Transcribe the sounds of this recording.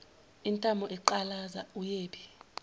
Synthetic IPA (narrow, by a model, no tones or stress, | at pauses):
intʼamɔʔɛǃalazaujeːɓi